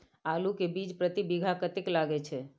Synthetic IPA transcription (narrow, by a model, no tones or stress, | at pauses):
alũkebid͡ʒpɾət̪ibiɡʱakət̪iklaɡet͡ʃʰe